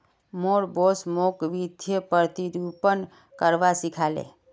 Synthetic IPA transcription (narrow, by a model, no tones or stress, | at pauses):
moːɾbosmoːkʋid̪ʱjəpəɾt̪iɾupən | kəɾʋasikʰaːlḛː